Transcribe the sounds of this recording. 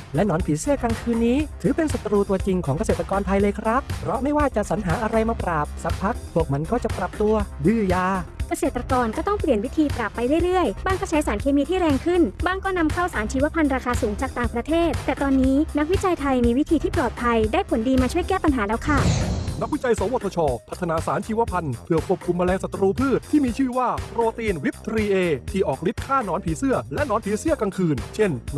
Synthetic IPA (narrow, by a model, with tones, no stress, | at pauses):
lɛ˦˥nɔː˩˦npʰiː˩˦si˥˩əkaː˧ŋkʰɯː˧nːiː˦˥t̪ʰɯː˩˦pe˧nsa˨˩t̪ɾuː˧t̪u˧ɐt͡ɕi˧ŋkʰɔː˩˦ŋka˧seː˨˩t̪ɾa˧kɔː˧nt̪ʰa˧jlɤː˧jkʰɾa˦˥p̚pʰɾɔ˦˥ma˥˩jwaː˥˩t͡ɕa˨˩ʔsa˩˦nɦaː˩˦ʔa˧ɾa˧jmaː˧pɾaː˨˩p̚sa˨˦˥ppʰːa˦˥k̚pʰu˥˩ək̚ma˧nkɔː˥˩t͡ɕa˨˩pɾa˨˩p̚t̪u˧ɐdɯː˧˩jaː˧ka˧seː˨˩t̪ːɾa˧kɔː˧nkɔː˥˩t̪ɔ˥˩ŋpli˨˩ənwi˦˥t̪ʰiː˧pɾa˨˩pːa˧jɾa˥˩jɾɯ˥˩əjbaː˧˩ŋkɔː˥˩t͡ɕʰa˦˥jsaː˩˦nkʰeː˧miː˧t̪ʰiː˥˩ɾɛː˧ŋkʰɯ˥˩nbaː˧˩ŋkɔː˥˩na˧mkʰa˥˩wsaː˩˦nt͡ɕʰiː˧wa˦˥pʰa˧nɾaː˧kʰaː˧suː˩˦ŋt͡ɕaː˨˩k̚t̪aː˨˩ŋpɾa˧t̪ʰeː˥˩t̪̚t̪ɛː˨˩t̪ɔː˧nːiː˦˥na˦˥k̚wi˦˥t͡ɕa˧jt̪ʰa˧jmiː˧wi˦t̪ʰiː˧iː˥˩plɔː˨˩t̪̚pʰa˧jdaː˥˩jpʰo˨˩˦ndiː˧maː˧t͡ɕʰu˥˩əjkɛː˥˩pa˧nɦaː˩˦lɛː˦˥wkʰa˥˩na˦˥k̚wi˦˥t͡ɕa˧jso˩˦woː˧˨˩t̪ʰːɔː˧t͡ɕʰɔː˧pʰa˨˩t̪ʰːa˧naː˩˦saː˩˦nt͡ɕʰiː˧˩wa˦˥pʰa˧npʰɯ˨˩əpʰu˨˩əp̚kʰu˧mːa˧lɛː˧ŋsa˨˩t̪ːɾuː˧pʰɯː˥˩t̪ʰːiː˥˩miː˧t͡ɕʰɯː˥˩waː˥˩pɾoː˧t̪iː˧nwi˦˥p̚t̪ʰɾiː˧ʔeː˧t̪ʰiː˥˩ʔɔː˨˩k̚li˦˥t̪̚kʰaː˥˩nɔː˦˥npʰiː˩˦sɯ˥˩ɐlɛ˦˥ʔnɔː˦˥npʰiː˨˦sɯ˥˩əka˧ŋkʰɯː˧nt͡ɕʰe˥˩n